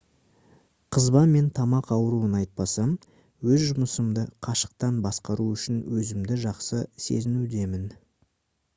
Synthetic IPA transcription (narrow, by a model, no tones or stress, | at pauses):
qʰəzbɑnme̞nt̪ʰɑmɑqɑwəɾuənɑjt̪̚pɑsɑm | wɵzʒʊməsəmd̪əqʰɑʃə̥q̚t̪ɑnbɑsqɑɾuʏʃɪnwɵzɪmd̪ɪʒɑqsəse̞̰zɪnud̪e̞mɪn